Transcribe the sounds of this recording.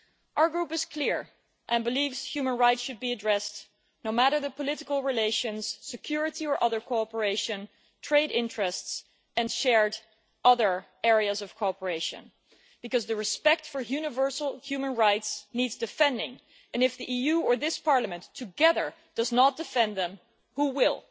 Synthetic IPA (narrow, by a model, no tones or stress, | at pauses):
ʔaʊə˞ɡɹupɨz̥kʰlɪɹ | ʔɨ̃nbəlivz̥hjʉmə̃nɹaɪtsʃɨd̚biɨdɹɛst | noʊmæɾə˞ðəpəlɪɾɨkəl̩ˠɹileɪʃɨ̃nz̥sɨkʰj̥ʊɹɨɾiə˞ʔʌðə˞kʰoɑpə˞eɪʃɨ̃n | tʰɹ̥eɪɾɪ̃ntɹ̥ɨsts | ɨ̃nʃɛɹd | ʔʌðə˞ | ɛɹiɨzʌv̥kʰɔpə˞eɪʃɨ̰̃n | b̥ɨkʌzðɨɹɨspɛk̚tfə˞jʉnɨvɜ˞sl̩ˠhjʉmə̃nɹaɪtsnidzdɨfɛ̃ndɪ̰̃ŋ | ɨ̃nɨfðiʔijʉə˞ðɪspʰɑɹləmɨ̃ntʰɨɡɛðə˞ | d̥ʌznət̚d̥ɨfɛ̃nðə̃m | huwɪlˠ